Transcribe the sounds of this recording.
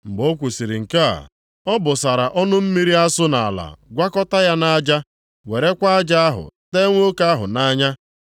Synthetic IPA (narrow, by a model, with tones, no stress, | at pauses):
m̩˨ɡ͡bo˦kʷu˨si˨ɾi˨ŋ̩˨ka̰˦˨ | ɔ˦bʊ˨sa˨ɾa˨ʔɔ˦nʊ˦m̩˦mi˦ɾi˦a˦sʊ˦na˨a̰˨la̰˨ɡʷa˦kɔ˦ta˦ja˦na˦d͡ʒa˦ | we˨ɾe˦kʷa˦a˦d͡ʒa˦a˦ɦʊ̰˨te˦ŋʷo˦o˦ka˦a˦ɦʊ̰˨na˦ɲa˦